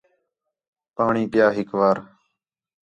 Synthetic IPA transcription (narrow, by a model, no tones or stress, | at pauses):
paːɳiːpjaːɦɪkʋaːɾ